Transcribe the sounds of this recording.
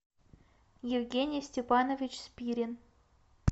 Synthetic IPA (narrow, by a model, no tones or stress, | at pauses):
jɪvʲɡʲenʲɪjsʲtʲɪpɑnovʲɪt͡ɕspʲiɾʲɪn